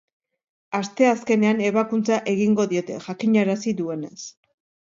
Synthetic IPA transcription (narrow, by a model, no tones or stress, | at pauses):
ast̪e̞aske̞ne̞ane̞β̞akunt͡saʔe̞ɣ̞iŋɡo̞ðio̞t̪e̞̰ʝakiɲaɾasiðue̞ne̞s